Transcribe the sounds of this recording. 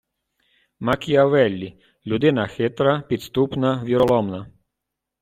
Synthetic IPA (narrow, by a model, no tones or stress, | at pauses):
makijaʋɛlʲːi | lʲud̪ɪnaxɛt̪ɾapit̪st̪upnaʋiɾɔlɔmna